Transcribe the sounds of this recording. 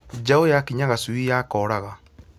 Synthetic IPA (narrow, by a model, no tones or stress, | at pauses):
d͡ʒaojakiɲaɣasuijakɔɾaɣa